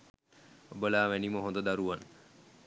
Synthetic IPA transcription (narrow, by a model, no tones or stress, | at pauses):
obəlaːʋæniməɦond̪əd̪aɾuʋan